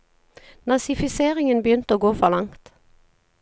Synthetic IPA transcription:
nɑsɪfɪseːʁɪŋənbjʏnt̪əoːɡoːfɔʁlɑŋt̪

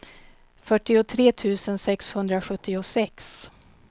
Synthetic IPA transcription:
fœʈːɪʊt̪ʰɾeːt̪ʰʉ̟ːsənsɛkshɵnd̪ɾaɧɵt̪ːɪʊsɛks

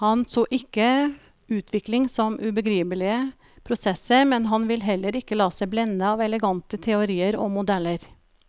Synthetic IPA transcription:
hɑnsoːʔɪkːə | ʉːt̪ʰʋɪklɪŋsɔmʔʉbəɡɾiːpəlɪə | pʰɾʊsɛsəɾmɛnɦɑnʋɪlɦɛlːəɾɪkːəlɑːsɛɪblɛnːəɑːʋɛləɡɑnt̪ət̪ʰɛʊɾiːəɾɔ̰mʊd̪ɛlːəɾ

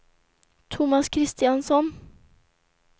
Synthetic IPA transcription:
t̪ʰʊmaskʰɾɪst̪ɪansɔn

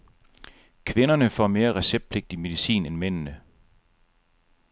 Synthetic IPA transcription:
kʰʋe̝nɐnəfɒme̝ːɐʁɛseb̥̚d̥̚pʰle̝ɡ̥̚d̥ime̝ðˠisḭːnenmen̰nə

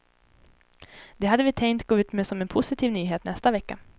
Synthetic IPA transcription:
d̪̥ɛɦad̪ːəvɪt̪ʰɛŋkt̪ɡ̥oːʉ̟ːt̪mɛsɔmɛnpʰʊsɪt̪ʰiːvnyːɦeːt̪nɛst̪avɛkːa

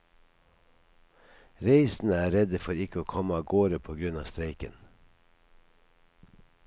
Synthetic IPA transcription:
ɾeɪsn̩əæːɾɛd̪əfɔɾɪkəoːkʰɔməɑːɡoːɾəpʰoːɡɾʉnɑːst̪ɾeɪkə̰n

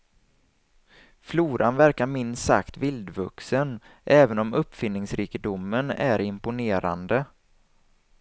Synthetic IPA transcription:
fluːɾʔanvæɾkaɾmɪnsa̰kt̪vɪld̪vɵksənʔɛːvənɔmɵpːfɪnːɪŋsɾiːkɪd̪ʊmːənæ̰ɾɪmpʊneːɾa̰nd̪ə

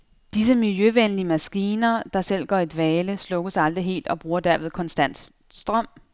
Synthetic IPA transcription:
d̥is̬əmiljøʋenliəmæsɡ̥iːnɐd̥ɑ̈sel̰ɡ̥ɒ̰ːe̝d̥ʋɛːləslɔ̽ɡ̥əsɑ̈ld̥ʁiɦe̝̰ːld̥ɒ̽b̥ʁuːɐd̥æɐ̰ʋe̝ð̞ˠkʰɒ̽nsd̥æn̰d̥ | sd̥ʁɶm̰

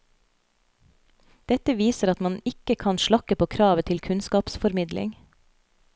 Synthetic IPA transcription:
d̪̥ɛt̪əʋiːsəɾɑt̪mɑnɪkəkʰɑnʃɭɑkəpʰoːkʰɾɑːʋət̪ʰɪlkʰʉnskɑːpsfɔɾmɪd̪lʔɪ̰ŋ

